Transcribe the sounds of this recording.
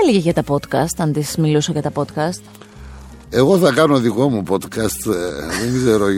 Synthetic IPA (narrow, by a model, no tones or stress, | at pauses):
eleʝeʝɐt̪ɐpot̪kɐst̪ɐnt̪ismilusoʝɐt̪ɐpo̞t̪kɐst̪ | e̞ɣo̞θɐkɐnoðiko̞mupo̞t̪kɐst̪ðeŋɡze̞ɾo